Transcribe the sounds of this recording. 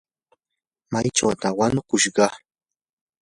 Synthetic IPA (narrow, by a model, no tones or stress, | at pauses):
majʈ͡ʂa̰wt̪awanʊkʊʃɢɑ